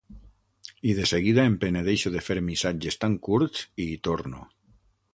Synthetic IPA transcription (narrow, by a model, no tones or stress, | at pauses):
ið̞eseɣ̞iðaempeneðejʃoðefeɾmisad͡ʒest̪aŋkuɾsiːt̪oɾnṵ